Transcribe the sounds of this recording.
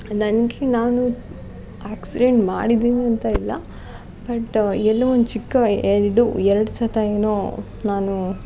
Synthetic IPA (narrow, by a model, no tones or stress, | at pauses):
nɐnɡenaːnu | aːksiɖeɳʈmaːɽid̪iːniɐnt̪ɐilːɐ̰ | bɐʈːɛlːɐond̪ut͡ʃikːɐɛɾiɖuɛɾɐɽusɐt̪ɐeːnoː | naːnu